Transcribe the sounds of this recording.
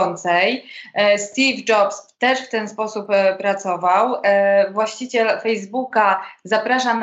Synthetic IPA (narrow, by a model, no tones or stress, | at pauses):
ɔnt̪sɛjst̪ʲivd͡ʐɔpst̪ɛʂft̪ɛnspɔsuppɾat̪sɔvawvwaɕt͡ɕit͡ɕɛlfɛjzbukazapɾaʂan